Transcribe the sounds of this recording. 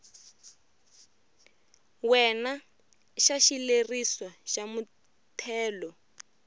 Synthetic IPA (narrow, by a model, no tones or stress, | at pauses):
wɛna | ʃaʃileriswaʃamu | tʰɛːlɔ